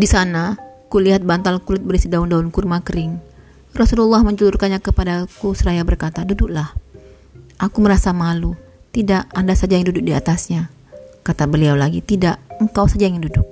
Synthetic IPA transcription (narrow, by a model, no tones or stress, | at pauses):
disanakuliɦat̪̚bant̪alkulɪt̪̚bəɾisidaundaunkurmakəɾɪŋ | rɔsululːahməɲd͡ʒəlʊrkanɲakəpadakusəɾajabərkat̪adudʊklah | ʔakuməɾasamalu | t̪idaʔandasad͡ʒajŋndudʊk̚diat̪asɲa | kat̪abəliawlaɡit̪idaʔəŋkawsad͡ʒajŋɪndudʊk̚